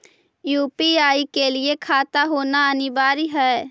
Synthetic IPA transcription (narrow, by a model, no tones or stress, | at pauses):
juːpiaːikeliekʰaːt̪aɦoːnaənɪbaːɾiɦɛː